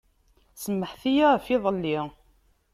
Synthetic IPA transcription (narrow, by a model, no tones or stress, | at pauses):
səmːəħθijaʁfiðˤəlːi